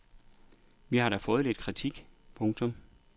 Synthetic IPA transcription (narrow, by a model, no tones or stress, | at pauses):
ʋihɑ̈ɾ̥æfɔ̽ːð̞̩ˠled̥kʰʁit͡sʰiɡ̥pʰɔ̽ŋt͡sʰɔ̽m